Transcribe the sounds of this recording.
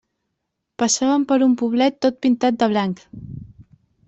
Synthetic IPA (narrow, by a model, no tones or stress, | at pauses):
pəsaβəmpəɾumpuβ̞lɛt̪ːot̪̚pint̪at̪̚d̪əβ̞laŋk